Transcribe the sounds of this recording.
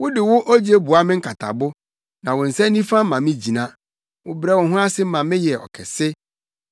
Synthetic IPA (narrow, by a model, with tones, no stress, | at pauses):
wʊ˦dɪ˨wʊ˦ʔɔ˦d͡ʑe˦bu˨a˦mɪ̃˦ŋ̩˦kʰa˨tʰa̰˨bʊ˦ | nã˨wʊ̃˨n̩˨sɛ̃˦nĩ˦fã˦m̩ː˦ã˨mɪ̃˦d͡ʑi˨nã˦ | wʊ˨bɾɛ˦wʊ̃˨ɦʊ̃˦a˦sɪ˦mã˨mɪ̃˦jɛ˨ɔ̰˨kʰɛ˨sɪ˦